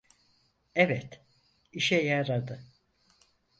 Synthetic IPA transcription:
ɛvɛt̪ | iʃɛjaɾad̪ɯ

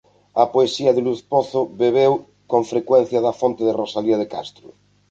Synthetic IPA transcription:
ɐpoesiaðeluθpoθoβeβ̞ew | kõɱfɾekwen̟θjaðafont̪eðerosaliaðeka̰st̪ɾu

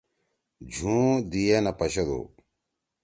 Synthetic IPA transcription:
d͡ʑʱũːd̪ijenɐpɐɕɐd̪o̰ː

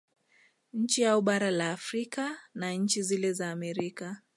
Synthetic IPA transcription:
ɲ̩t͡ʃiauɓaɾalaːfɾikanaɲ̩t͡ʃizilɛzaːmɛɾika

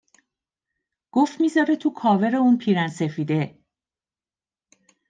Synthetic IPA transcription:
ɡ̥oft̪miːzɒːɾet̪ʰukʰɒːve̞ɾeuːnpʰiːɾænse̞fiːd̪e̞

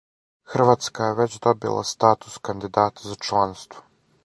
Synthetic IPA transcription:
xr̩ʋat̪skajɛʋɛt͡ɕd̪ɔbḭlˠa̰st̪aːt̪u̥skand̪id̪aːt̪ʰazat͡ʂlˠanst̪vo̥

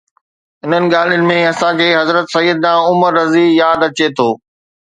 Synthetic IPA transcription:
ɪn̤ənɪ̆ɠaːl̤ijənɪ̆mẽɐsãkʰeːɦɐzɾət̪sɐjəd̪nãːʊməɾːɐzijaːd̪ɐt͡ɕet̪ʰoː

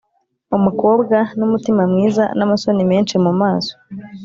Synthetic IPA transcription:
umuko̞ːbɡanumutimamŋiːza̰namaso̞nime̞ːnt͡ʃimumaːso̥

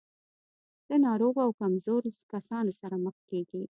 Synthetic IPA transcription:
d̪̥ənɑɾoɣoawkamzoɾkasɑnosaɾaməxkeɡi

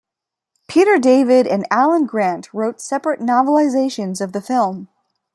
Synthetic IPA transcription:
pʰiɾə˞deɪvɪɾɨ̰̃nælˠə̃nɡɹæ̃nʔʰɹoʊtsɛpɹɨtⁿnɑvəl̩ˠɨzeɪʃɨ̃nzʌvðɨfɪlˠm

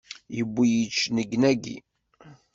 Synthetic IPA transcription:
jəbːijit͡ʃːnəɡnæɡḭ

